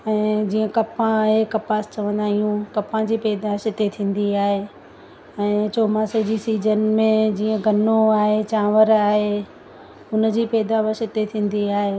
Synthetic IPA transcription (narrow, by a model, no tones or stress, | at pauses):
ɛ̃ːd͡ʑiːə̃kɐpãɦekɐpaːst͡ɕɐʋə̃nd̪aːɦijũkɐpãd͡ʑiːpɛːd̪asɪt̪et̪ʰĩːn̆d̪iaːɦe | ɛ̃ːt͡ɕoːmãsed͡ʑisiːd͡ʑənmẽd͡ʑiːə̃ɡʱɐnoaːɦet͡ɕãːʋəɾaːɦe | ʊnd͡ʑiːpɛːd̪aʋəsɪt̪et̪ʰĩːn̆d̪iaːɦeː